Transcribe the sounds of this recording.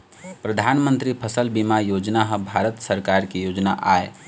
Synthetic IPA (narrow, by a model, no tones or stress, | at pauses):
pɾəd̪ʱanmənt̪ɾipʰəsəlbimajoːd͡ʒnaɦəbʱaɾət̪səɾkaɾkijoːd͡ʒnaʔaːe